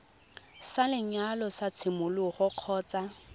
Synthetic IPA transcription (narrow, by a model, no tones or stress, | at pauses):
salɪɲalɔsat͡sʰɪmʊlʊχʊq͡χʰɔːt͡sa